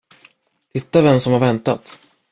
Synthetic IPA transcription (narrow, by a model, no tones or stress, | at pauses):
t̪ʰɪt̪ːavɛmsɔmhaɾvɛnt̪at̪